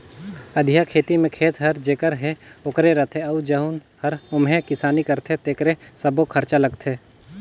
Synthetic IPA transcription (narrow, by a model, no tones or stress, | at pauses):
əd̪ʱjakʰeːt̪imẽkʰeːt̪ɦɐɾd͡ʒekəɾɦeʊkɾeɾɐt̪ʰeɐud͡ʒɐɦun | hɐɾʊmɦẽkɪsaːnikəɾt̪ʰet̪eːkɾesəbokʰəɾt͡ʃalɐɡt̪ʰeː